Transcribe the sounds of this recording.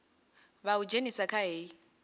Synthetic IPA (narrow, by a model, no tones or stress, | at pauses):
βaud͡ʒenisakʰaɦeːi